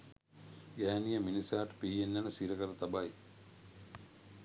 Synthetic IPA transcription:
ɡæːnijəminisaːʈə̥piːjenːænəsiɾəkəɾət̪abaj

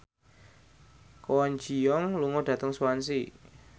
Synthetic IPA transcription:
kɔɔnd͡ʒijɔŋluŋɔɖ̥ä̤t̪əŋsuwansi

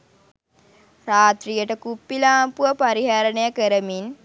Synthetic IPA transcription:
raːt̪rijəʈəkupːilaːmpuʋəpaɾiɦaɾənəjakəɾəmin

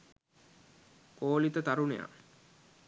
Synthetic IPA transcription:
koːlit̪ət̪aɾuneja̰

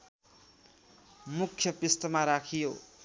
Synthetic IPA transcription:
mukʰːjʌpist̪ʌmaɾakʰijo

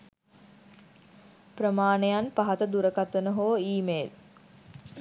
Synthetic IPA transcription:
prəmaːnejanpaɦɐt̪əd̪uɾəkat̪ənəɦoʋəiːmeːd̪̚

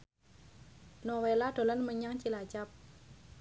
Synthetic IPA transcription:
nowelaɖ̪̥o̤lənməɲaŋt͡ʃilat͡ʃap̚

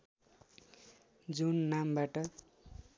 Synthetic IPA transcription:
d͡zunːambaʈʌ

